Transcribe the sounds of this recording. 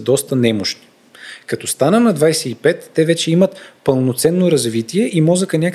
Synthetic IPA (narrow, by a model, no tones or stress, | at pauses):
d̪ɔst̪ənɛmoʃt̪i̥ | kɐt̪ɔst̪anəmnɐd̪vajsɛipɛt̪ːɛvɛt͡ʃɛimət̪pəlˠnot̪sɛnːoɾɐzvit̪iɛʔimɔzəkənʲak